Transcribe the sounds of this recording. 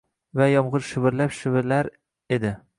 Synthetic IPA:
vajɒmʁɨɾʃɪvɪɾlapʃɪvɪɾlaɾ | e̞d̪ɪ

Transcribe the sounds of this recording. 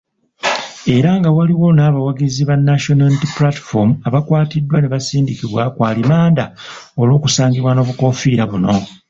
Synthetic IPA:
e̞ɾaŋɡawaliwo̞naːβawaɡiziβanːaʃonalitiplati̥fomuaβakwaːtidːwane̞βasiːndikiβwakwaːlimaːndaolo̞ːkusaːŋɡiβwano̞ːβuko̞fiːɾaβuno̞

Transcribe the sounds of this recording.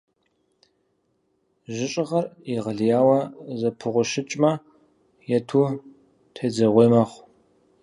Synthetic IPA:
ʒɪɕʼɪʁɐriʁɐɮjaːwɐzɐpʰɨʁʷʊʃɪt͡ʃʼmɐ | jɛtʰuː | tʰeːd͡zɐʁʷeːmɐχʷ

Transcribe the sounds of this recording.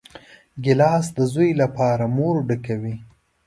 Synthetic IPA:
ɡɪlɑsd̪əzujlapɑɾamoɾɖəkawi

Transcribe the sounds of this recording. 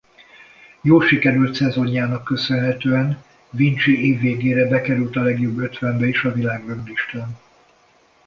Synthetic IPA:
joːlʃikɛɾylt̪sɛzo̞ɲːaːnɒkːø̞sønɦɛt̪øːɛn | vint͡ʃieːvːeːɡeːɾɛbɛkɛɾylt̪ɒlɛɡjobːøt̪ʋɛmbɛiʃɒvilaːɡrøɡliʃt̪an

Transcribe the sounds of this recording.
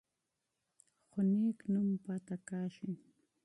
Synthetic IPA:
xʊniːknʊmpat̪akaːʃʊŋ

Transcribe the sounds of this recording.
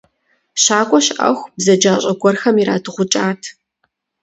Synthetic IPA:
ɕaːkʷʼɔɕʔɐ̰xʷbzɐd͡ʒaːɕʼɐɡʷʼɔrxɐmiɾa̰ːdɨʁʷʊt͡ʃʼaːtʰ

